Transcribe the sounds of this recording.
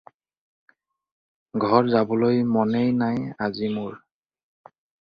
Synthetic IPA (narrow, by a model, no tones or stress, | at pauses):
ɡʱɔɹzabɔlojmɔnejnajazimoɹ